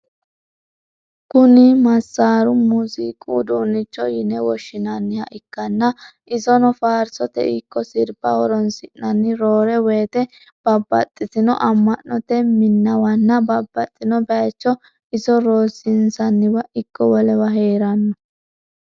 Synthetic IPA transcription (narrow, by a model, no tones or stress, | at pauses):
kʊnɪmɐsːaːɾʊmʊzɪkʼud̪uːnːɪt͡ʃːɔjɪnɛwɔʃːɪnɐnːɪhɐ̰ʔɪkːɐnːɐʔɪzɔnɔfaːɾsɔt̪ɛ̰ɪkːɔsɪɾbɐwɔɾɔnsɪʔːɐnːɪɾoːɾɛweːt̪ɛ | b̥ɐbːɐ̰t̪ʼːɪt̪ɪnɔ̰ʔɐmːɐnːɔt̪ɛmɪnːɐwɐnːɐbɐbːɐt̪ʼːɪnɔbɛt͡ʃːɔ | ɪzɔɾoːsɪnsɐnːɪwɐʔɪkːɔwɔlɛwɐɦeːɾɐnːɔ